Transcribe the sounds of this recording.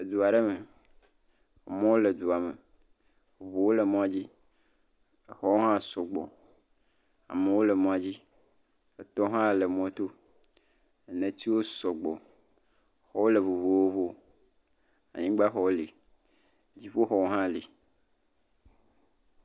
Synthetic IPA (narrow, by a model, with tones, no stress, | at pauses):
e˨d̪u˨a˨ɖe˦me˨ | mɔ̃˦wo˦le˨d̪u˨a˨mḛ˨ | u˨vu˨wo˦le˨mɔ̃˦a˨d͡ʑi˦ | xɔ˦wo˦ɦã˦sɔ˨ɡ͡bɔ̰˨ | a̰˨me˨wo˦le˨mɔ̃˨a˨d͡ʑi˦ | e˨t̪ɔ˦ɦã˦˨le˨mɔ̃˨t̪o˦˨ | nẽ˨t̪i˦wo˦sɔ˨ɡ͡bɔ̰˨ | xɔ˦wo˦le˨βu˨βu˨wo˦βo˦ | a̰˨ɲĩ˦ɡ͡ba˦xɔ˨wo˦li˨ | d͡ʑi˦ɸo˦xɔ˦wo˦ɦã˦˨li˨